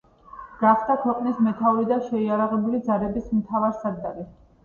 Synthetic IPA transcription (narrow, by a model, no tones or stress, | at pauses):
ɡ̥aχd̪akʰwɛqʼnismɛt̪ʰaɔɾid̪aʃɛiaɾaʁɛbulid̪zaɾɛbismt̪ʰavaɾsad̪d̪aɾi